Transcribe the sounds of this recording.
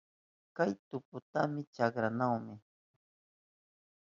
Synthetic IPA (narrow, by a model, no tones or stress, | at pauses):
kajt̪ʊpʊt̪amɪt͡ʃakɾanawmɪ